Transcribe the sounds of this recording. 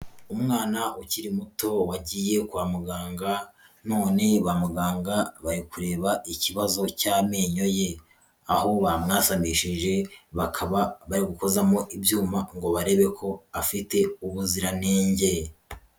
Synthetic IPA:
umŋaːnauciɾimuto̞waɟiːje̞kwamuɡaːŋɡa | no̞ːne̞βamuɡaːŋɡaβaɾikuɾe̞ːβaʔiciβazo̞caːmeːɲo̞je̞ | aho̞βamŋaːsamiʃiʒe̞βakʰaβaβaɾiɡuko̞zamo̞ʔibjuːmaŋɡo̞βaɾe̞ːβe̞kʰo̞afite̞uβuziɾaneːɲɟe̞

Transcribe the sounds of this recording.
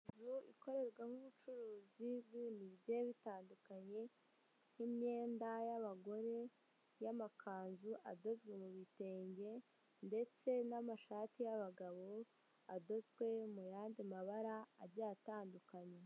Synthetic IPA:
izuiko̞ɾe̞ɾɡwahuβut͡ʃuɾuːzibɡwiːnijeβitaːndukaɲe̞ | himɲe̞ːndajaβaɡo̞ɾe̞ | jamakʰaːnzuʔado̞zɡwe̞muβite̞ːɲɟe̞ | nde̞t͡se̞namaʃaːtijaβaɡaβo̞ | ado̞zɡwe̞mujaːndimaβaɾaːɾɟaːtaːndukaɲe̞

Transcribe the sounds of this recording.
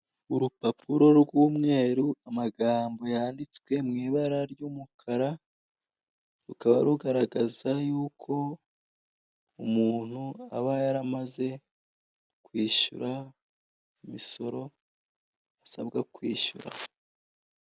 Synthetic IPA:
uɾupapʰuɾo̞ɾɡuːmŋe̞ːɾuamaɡaːmbo̞jaːndit͡swe̞mŋiːβaɾaɾjuːmukʰaɾa | ɾukaβaɾuɡaɾaɡazajuːkʰo̞ | umuːn̥hua̰βajaɾamaze̞ | kwiːʃṵɾa | imiso̞ɾo̞ | asa̰bɡakwiːʃṵɾa̰

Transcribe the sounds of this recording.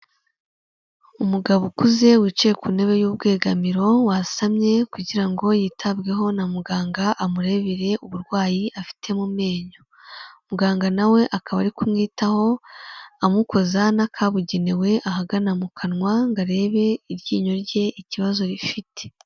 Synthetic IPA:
umuɡaβukuze̞wit͡ʃejekune̞βe̞juːb̚ɡe̞ːɡamiɾo̞wasamɲe̞kuɟiɾaŋɡo̞jiːtʰabɡe̞ɦo̞namuɡaːŋɡaʔamuɾe̞βiɾe̞ʔuβuɾɡwaːjiʔafi̥tʰe̞mume̞ːɲo | muɡaːŋɡanawe̞ʔakaβaɾikumŋiːtaho̞amuko̞zanakʰaβuɟenewe̞ʔaɦaɡanamukʰanŋwaŋɡaɾe̞ːβe̞iɾjḭːɲo̞ɾɟe̞ʔiciβazo̞ɾifite̥

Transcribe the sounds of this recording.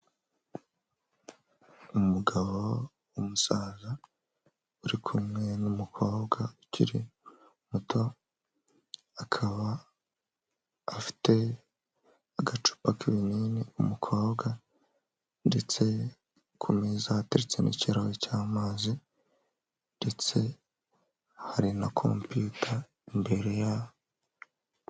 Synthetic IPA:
umuɡaβo̞ | wumusaːza | uɾikʰumŋe̞numukʰo̞ːbɡaucʰḭɾḭ | mutʰo̞ | akʰaβa | fi̥te̞ | aɡat͡ʃu̥pakʰiβiniːniumukʰo̞ːbɡa | nde̞t͡se̞ | kʰumiːzaːtaɾet͡se̞̰nʔḭciɾawocaːmaːzi | nde̞t͡se̞ | haɾinakʰo̞̰mpjutʰa | imbe̞ɾeja

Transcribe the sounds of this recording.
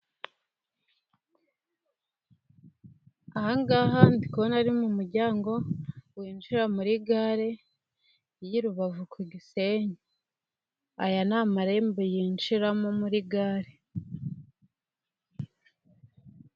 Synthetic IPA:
ahaŋɡaɦandikonaɾimumuɾɟaːŋɡo̞wiːnʃiɾamuɾiɡaːɾe̞ | jiɾuβavukuɡise̞ɲe | a̰janaːmaɾe̞ːmbejiːnʃiɾamomuɾiɡaːɾe

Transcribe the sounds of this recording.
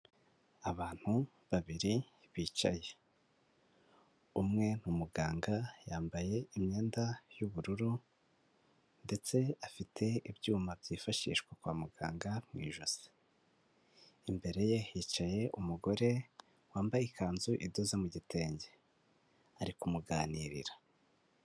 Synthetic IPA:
aβaːn̥hu | βaβiɾi | βiːt͡ʃa̰je̞ | umŋe̞n̥umuɡaːŋɡajaːmbaje̞imɲe̞ːndajuβuɾuɾu | nde̞t͡se̞afitʰe̞ibjuːmabɟiːfaʃḭːʃkwekwa̰ːmuɡa̰ːŋɡamŋḭːʒoz̥e̥ | imbe̞ɾe̞jehit͡ʃaje̞ʔumuɡo̞ɾe̞ | waːmbajikʰaːnzuʔidozemuɟitʰe̞ːɲɟe | aɾikumuɡaːniɾḭɾḁ

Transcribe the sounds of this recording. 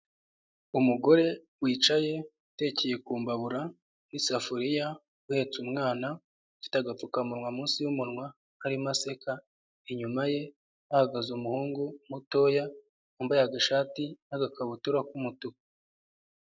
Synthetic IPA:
umuɡo̞ɾe̞ | wiːt͡ʃaje̞ute̞ːceje̞kuːmbaβuɾa | nisafuɾija | uhe̞t͡sumŋaːna | fi̥taɡap͡fukamuɾŋwamuːnsijumuɾŋwa | haɾimase̞ka | eɲumaje̞ | ahaɡazumuhuːŋɡumuto̞ːja | umbajaɡaʃaːtinaɡakʰaβutuɾakumutu

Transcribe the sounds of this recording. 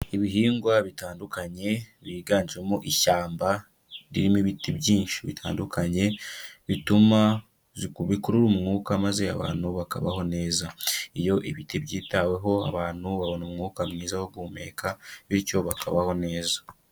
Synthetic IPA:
iβiɦiːŋɡwaβitaːndukaɲe̞βiːɡaːɲd͡ʒiwemoʔiʃaːmba | ɾiɾimiβitibɟiːnʃi̥βitʰa̰ːndukʰaɲe̞βituma | ziβikuɾuɾumŋuːkamaze̞a̰βa̰ːnhuβaka̰βa̰ho̞ne̞ːzaijo̞ʔiβitibɟiːtawe̞ɦo̞a̰βaːn̥huβaβo̞naumŋuːkamŋiːzahoɡuːme̞̰kʰaβico̞βakʰa̰βaho̞ne̞ːzḁ

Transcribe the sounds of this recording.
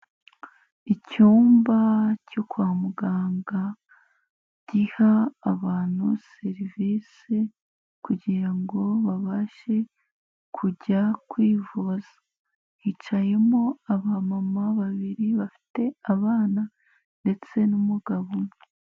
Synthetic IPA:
icuːmbacokwaːmuɡaːŋɡa | ɟ̥ihaːβaːn̥huse̞ɾiviːsi | kuɟiɾaŋɡo̞βaβaʃe̞ | kʰuɟakwiːvozḁ | hit͡ʃaje̞mo̞aβamamaβaβiɾiβafi̥te̞aβaːna | nde̞t͡se̞numuɡaβome

